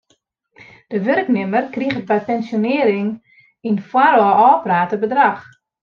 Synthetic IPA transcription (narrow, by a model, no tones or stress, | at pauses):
d̥əʋørknɪmərkriɣəbɛjpɛnsjonɪəɾɪŋ | infwarɔɔːpraːtəbədrax